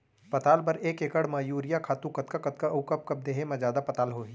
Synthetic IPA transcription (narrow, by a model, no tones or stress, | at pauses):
pɐt̪aːlpɐɾeːkeːkəɽmɐːjuːɾɪjakʰaːt̪ũkɐt̪kakɐt̪̚kaʔɐʊkəp̚kɐp̚d̪eːɦemɐ̃zjaːd̪apɐt̪aːlɦoːi